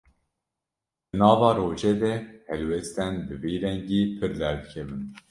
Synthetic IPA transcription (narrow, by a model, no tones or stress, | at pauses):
d̪̥ɨnɑːvɑːɾoːʒɛd̪ɛhɛlwɛst̪ɛnd̪ɨviːɾɛŋɡiːpʰɨɾd̪ɛɾd̪kʰɛvɨn